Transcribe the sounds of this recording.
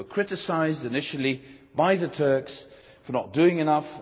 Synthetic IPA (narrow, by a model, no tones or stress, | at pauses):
əkʰɹ̥ɪtɨsaɪzdɨnɪʃəl̩ˠi | baɪðətʰɜ˞ks | fə˞nət̚d̥ʉɪ̃ŋɨnʌf